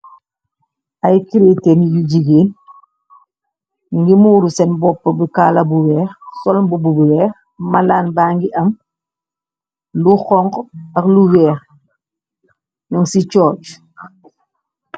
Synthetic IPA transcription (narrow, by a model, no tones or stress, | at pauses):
ʔajkiɾitenijuɟiɡeːn | niŋɡimuːɾusɛnbɔpːɐbikaːlabuwɛːxsɔlbububuwɛːx | malaːnbaːŋɡiʔɐm | luxɔŋkɐkluwɛːx | ɲɔŋsit͡ʃɔːt͡ʃ